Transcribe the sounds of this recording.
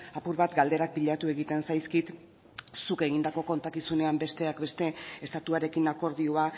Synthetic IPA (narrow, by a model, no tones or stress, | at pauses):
apuɾβat̪ɡald̪e̞ɾak̚piʎat̪ue̞ɣit̪e̞nsajskit̪ | suke̞ɣ̞ind̪ako̞ko̞nt̪akisune̞ambe̞st̪e̞akbe̞st̪e̞est̪at̪uaɾe̞kinako̞ɾð̞ioa